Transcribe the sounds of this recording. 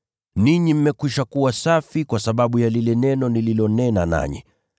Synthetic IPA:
niɲim̩mɛkwiʃakuwasafikwasaɓaɓujalilɛnɛnɔnililɔnɛnana̰ɲḭ

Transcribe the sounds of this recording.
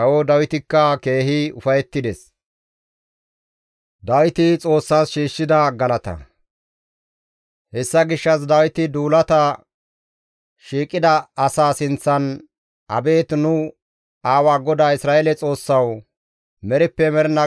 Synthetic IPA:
ɐwɔd̪ɐwɪt̪ɪkːɐke̞ːɦɪʊfɐjɛt̪ːɪd̪ɛs | d̪ɐwɪt̪ɪt͡sʼo̞ːsːaːsʃiːʃːɪd̪ɐɡɐlɐt̪ɐ̰ | hɛsːɐɡɪʃːɐs̬d̪ɐwɪt̪ɪd̪uːlɐt̪ɐ | ʃiːkʼːɪd̪ɐːsaːsɪnt͡sːɐn | ʔɐ̰be̞ːt̪nʊ | aːwaːɡɔd̪aːɪsɾaːelɛt͡sʼo̞ːsːɐw | mɛɾɪpːɛmɛɾɛnɐ

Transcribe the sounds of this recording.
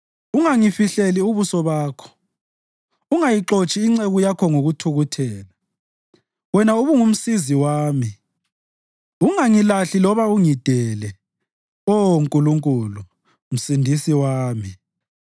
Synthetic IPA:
uŋaŋifiɬeliuβusɔβaːkʰɔ̥ | uŋajiǁot͡ʃʼiːŋ͡ǀeɣujakʰɔŋoɣutʰuɣutʰɛːla | wɛnauβuŋum̩siziwaːmi | uŋaŋilaɬilɔβauŋid̥ʱɛlɛ | ɔŋkʼuluŋkʼulu | m̩sindʱisiwaːmi

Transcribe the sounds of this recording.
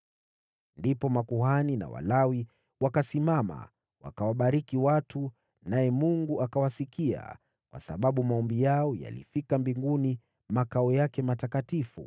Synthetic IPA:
ndipɔmakuɦanina̰wa̰lawi | wakasimama̰ | wa̰kawaɓaɾikiwatu | najɛmuŋɡuakawasikia̰ | kwa̰saɓaɓumaɔmbijaɔja̰lḭfikambiŋɡuni | makaɔjakɛmatakatifṵ

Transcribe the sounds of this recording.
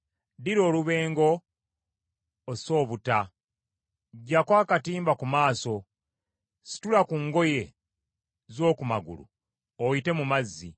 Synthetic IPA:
diɾo̞ːluβe̞ːŋɡo̞ | so̞ːβuta | ɟːakwaːkatiːmbakumaːso̞ | si̥tulakuŋɡo̞je̞ | zo̞ːkumaɡṵlṵ | owite̞mumazːḭ

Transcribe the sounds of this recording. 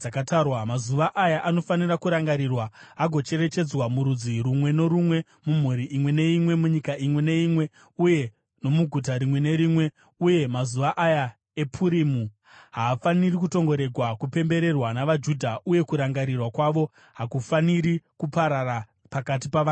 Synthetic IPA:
akatarwamazuʋaʔajaʔanofanirakuɾaŋɡaɾirwa | aɡʱo̞t͡ʃe̞ɾe̞t͡ʃe̞d͡zwamuɾud͡zirumwe̞no̞ɾumwe̞ | mum̤uɾiʔimwe̞ne̞imwe̞muɲikaimwe̞ne̞imwe̞ | uje̞ | no̞muɡʱutaɾimwe̞ne̞ɾimwe̞ | uje̞mazuʋaʔaja | e̞pʰuɾimu | ɦaːfanirikuto̞ŋɡo̞ɾe̞ɡʱwakupe̞mbe̞ɾe̞rwanaʋad͡ʒudʱaʔuje̞kuɾaŋɡaɾirwakwaʋo̞ | ɦakufaniɾikupaɾara | pakat̬ipaa

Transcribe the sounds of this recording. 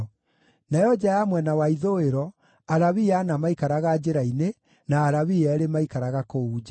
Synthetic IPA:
najɔd͡ʒajamwɛnawaiðoeɾɔ | aɾaβianamaikaɾaɣad͡ʑeɾaine | naːɾaβiɛɾemaikaɾaɣakouːd͡ʒa

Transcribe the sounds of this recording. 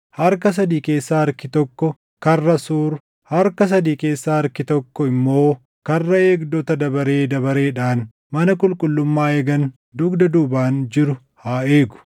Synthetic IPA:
hɐɾkɐs̬ɐd̪iːke̞ːsːaːɐɾkɪt̪ɔkːɔ | kɐrːɐsuːɾ | hɐɾkɐs̬ɐd̪iːke̞ːsːaːɐɾkɪt̪ɔkːɔɪmːo̞ː | kɐrːɐe̞ːɡd̪ɔt̪ɐd̪ɐbɐɾeːd̪ɐβɐɾe̞ːᶑaːn | mɐnɐkʼʊlkʼʊlːʊmːaːeːɡɐn | d̪ʊɡd̪ɐd̪uːbaːnd͡ʒɪɾʊ | haːeːɡʊ̥

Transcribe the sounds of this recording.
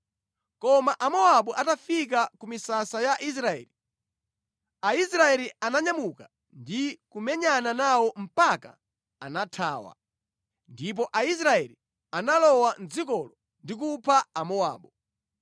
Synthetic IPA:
kɔmaʔamɔaɓɔʔatafik̬akumisasajaʔis̬ɾaɛ̰ːli | aisɾaɛlianaɲamuka | ndikumɛɲananawɔm̩paka̰ | anatʰa̰ːwa̰ | ndip̬ɔʔais̬ɾaɛli | analɔwanzikɔlɔ | ndik̬upʰaamɔa̰ːɓɔ

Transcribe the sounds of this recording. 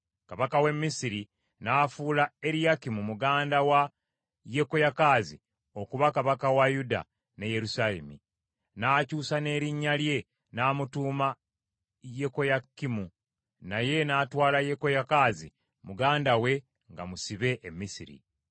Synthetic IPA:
kaβakawe̞mːisiɾi | naːfuːlae̞ɾijakimumuɡaːndawa | jeko̞jakaːzḭ | o̞kuβakaβakawajuda̰ | ne̞je̞ɾusalḛmḭ | naːcuːsane̞ːɾiɲːalje̞ | naːmutuːma | je̞kojakimu | naje̞naːtwaːlajekojakazḭ | muɡaːndawe̞ | ŋɡamusiβe̞ʔːmːisḭɾḭ

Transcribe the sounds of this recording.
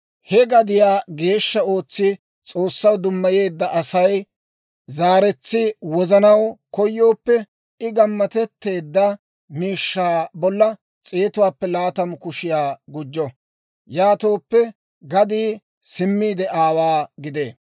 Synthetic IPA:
hɛɡɐd̪ɪjaːɡe̞ːʃːɐo̞ːt͡sːɪ | t͡sʼo̞ːsːɐwd̪ʊmːɐje̞ːd̪ːɐʔɐsɐj | zaːɾɛt͡sːɪwɔzɐnɐwkɔjːo̞ːpːɛ | ɪɡɐmːɐt̪ɛt̪ːe̞ːd̪ːɐ | miːʃːaːbɔlːɐ | t͡sʼeːt̪ʊwaːpːɛlaːt̪ɐmkʊʃɪjaːɡʊd͡ʒːɔ | jaːt̪oːpːɛ | ɡɐd̪iː | sɪmːiːd̪ɛʔaːwaːɡɪd̪eː

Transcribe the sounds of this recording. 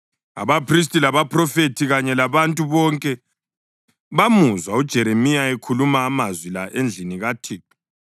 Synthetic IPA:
a̰βapʰris̬tʼilaβapʰʼrɔfetʰiɣaɲɛlaβantʼuβɔŋkʼɛ | βamuzwaud̥ʒ̥ʱɛɾemijaekʰulumaːmazwilaʔend͡ɮʱiniɣatʰiː

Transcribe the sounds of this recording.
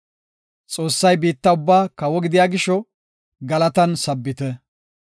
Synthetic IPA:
t͡sʼo̞ːsːɐjbiːt̪ːɐʊbːaːkɐwɔɡɪd̪ɪjaːɡɪʃɔ | ɡɐlɐt̪ɐnsɐbːɪt̪ɛ

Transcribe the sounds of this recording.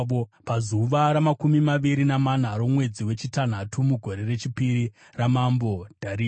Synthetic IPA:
opazuʋaɾamakumimaʋiɾinaman̤aɾomwe̞d͡ziwe̞t͡ʃitan̤atumuɡʱo̞ɾe̞re̞t͡ʃipiɾi | ramambod̥ʱaɾi

